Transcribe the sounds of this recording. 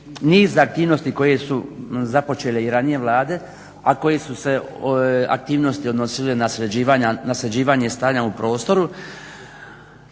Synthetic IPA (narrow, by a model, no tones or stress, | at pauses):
niːzaak̚t̪iːʋno̞st̪iko̞je̞suzapo̞t͡ʃe̞leiɾanije̞ʋlˠaːd̪e̞ | ako̞je̞suse̞ | a̰k̚t̪iːʋno̞st̪io̞d̪no̞silenasɾed͡ʑiːʋaːɲanasɾed͡ʑiːʋaːɲe̞st̪aːɲaupɾo̞ːst̪o̞ɾu